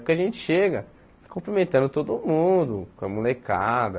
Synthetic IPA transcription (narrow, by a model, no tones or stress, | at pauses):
kɪaʒẽnt͡ʃɪ̥ʃeɡɐ | kõmpɾimẽnt̪ɐ̃nd̪ʊt̪od̪ʊmũd̪ʊkɐ̃mulekad̪ɐ